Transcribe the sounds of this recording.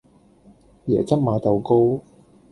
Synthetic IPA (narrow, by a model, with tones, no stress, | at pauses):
jɛ̰ː˨˩t͡sɐ˥t̚maː˨˧t̪ɐ˨wko˥w